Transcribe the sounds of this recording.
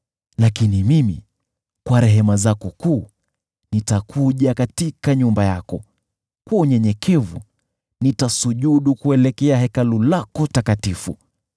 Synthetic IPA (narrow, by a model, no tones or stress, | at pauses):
lakinimimḭ | kwaɾɛɦɛmazakɔkuː | nitakʰuʄakatikaɲumbajakɔ | kwauɲɛɲɛkʰɛvṵ | nitasuʄuɗukuɛlɛkɛaɦɛkalulakɔtakatifu